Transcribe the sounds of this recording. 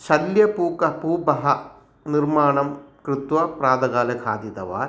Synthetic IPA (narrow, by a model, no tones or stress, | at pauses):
ɕɐljɐpuːkɐpuːbɐɦɐ | nirmaːɳɐmkɾɨt̪wɐpɾaːd̪ɐɣaːlɐkʰa̰ːd̪jit̪ɐ̰ʋa̰ːɾ